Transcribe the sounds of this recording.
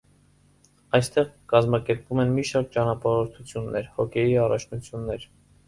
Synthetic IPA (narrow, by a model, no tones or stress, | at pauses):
ɑjst̪ɛʁkɑzmɑkɛɾpvumɛnmiʃɑɾk̚t͡ʃɑnɑpɑɾɔɾt̪ʰut͡sʰjunːɛɾhɔkʰɛjiɑrɑt͡ʃʰnut͡sʰjunːɛɾ